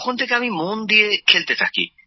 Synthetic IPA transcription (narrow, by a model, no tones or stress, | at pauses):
kʰont̪ʰek̬eamimond̪iekʰelt̪et̪ʰakḭ